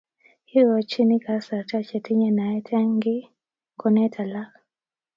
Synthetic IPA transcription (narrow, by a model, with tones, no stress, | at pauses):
hi˦ɾɔ˨t͡ʃi˦ni˦ka˨sa˨ta˦t͡ʃɛ˨ti˦ɲɛ˦na˨ɛ˦tʰa˦ŋɡi˦ | kɔ˨nɛ˦tʰa˨la˦